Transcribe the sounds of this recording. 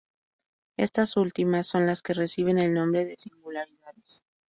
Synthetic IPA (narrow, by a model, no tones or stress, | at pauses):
e̞̰st̪asult̪imasːo̞nlaske̞re̞siβ̞e̞ne̞lnõ̞mbɾe̞ðe̞siŋɡulaɾiðaðes